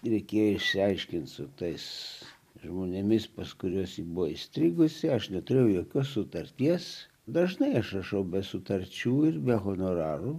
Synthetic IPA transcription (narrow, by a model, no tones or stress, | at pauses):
ɾʲɛɪkʲeːjoɪʃʲsʲɪɐɪʃʲkʲɪnt̪sʊt̪ɐɪs | ʒmoːnʲɪmʲɪspɐskʊɾʲuɔsibʊʋoisʲt̪ʲɾʲiːɡʊsʲɪɐʃnʲɛt̪ʊɾʲejɛʊjoːkʲoːssʊt̪ɐɾʲt̪ʲiɛs | d̪ɐʒnɐɪɐʃrɐʃɐʊbʲɛsʊt̪ɐɾʲt͡ʃʲuːɪrbʲɛɣonoːɾɑːruː